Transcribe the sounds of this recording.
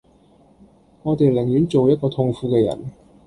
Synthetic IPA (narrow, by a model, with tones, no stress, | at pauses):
ŋɔː˨˧t̪e˨jlɪ˨˩ŋjyː˨˥nt͡so˨wjɐ˥t̚kɔː˧t̪ʰʊ˧ŋfuː˧kɛː˧jɐ̰˨˩n